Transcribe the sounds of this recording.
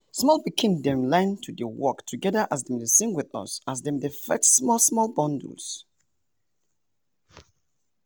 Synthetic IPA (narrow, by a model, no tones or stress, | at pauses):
smɔlˠbikʰɪ̃ndɛ̃mlãɪ̃ntʰudəwɔ̰ktʰuɡɛdəʔasdɛ̃mdəsɪ̃ŋɡwɪðʌ̰sasdɛ̃mdefɛ̰tsmɔlsmɔlbɔ̃ndṵls